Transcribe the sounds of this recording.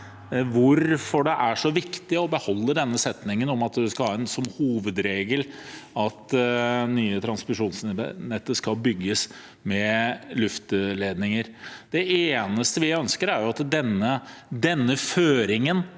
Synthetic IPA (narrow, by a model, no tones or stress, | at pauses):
ʋʊɾfɔɖɛʔæʂɔʋɪkt̪ɪɔbəhɔlːəd̪ɛnːəsɛt̪nɪŋənɔmɑt̪d̪ɛskɑlhɑːɛnsɔmhuːʋəd̪ɾeːɡəlɑt̪nyːət̪ʰɾɑnspɪʂuːnsnɛt̪ːəskɑlbʏɡːəs | mɛlʉft̪əleːd̪nɪŋəɾd̪̥ɛeːnəst̪əʋɪœnskəɾæɾjʊɑt̪d̪ɛnːəd̪ɛnːəføːɾɪŋən